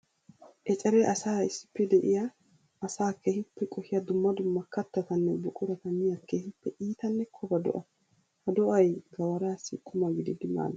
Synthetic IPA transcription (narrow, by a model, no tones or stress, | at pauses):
ʔɛt͡ʃʼɛɾɛʔɐsaːɪsːɪ̥pːɛd̪ɛʔɪjɐː | saːkehɪpːɛkʼɔhɪjɐd̪ʊmːɐd̪ʊmːɐkːɐt̪ːɐt̪ɐnːɛbʊkʼʊɾɐt̪ɐnɪjɐkehɪpːɛʔiːt̪ɐnːɛkʰɔbɐd̪ɔ̰ʔɐ | hɐd̪ɔʔɐjɡɐwɐɾaːsːɪkʼːʊmɐɡɪd̪ɪd̪ɪma̰ːlɐ